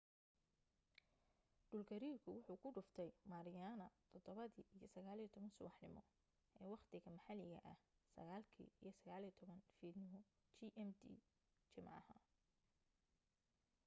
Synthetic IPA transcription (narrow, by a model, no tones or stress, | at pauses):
ɖ̥ʊlɡʰɐɾiːrkʰʊwʊħuːkʰʊɖʊft̪ʰɛjmaːɾɪjaːnɐt̪ʰɔd̪ɔβɐðiːʔijɞsɐɣaːliːt̪ʰɔβɐnsʊ̰wɑħnɪmɔ̰ | ʔɛːwɑχt̪ʰɪɣɐmɐħɑlɪɣɐ̰ʔɐhsɐ̰ɣaːlkʰḭːijɞsɐɣaːlijt̪ʰɔβɐnfiːd̪nɪmɔ | t͡ʃiʔɛmd̪ḭ | t͡ʃɪmʕɑhɐ